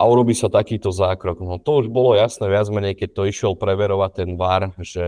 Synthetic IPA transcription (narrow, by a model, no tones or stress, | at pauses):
ʔauɾɔbiːsat̪akiːt̪ɔzaːkɾɔɡnɔt̪ɔuʒbɔlɔjasnɛːʋɪad͡zmɛɲɛjkɛc̚t̪ɔiʃɪɛlpɾɛʋɛɾɔʋat̪ːɛnʋaɾʒ̥ɛ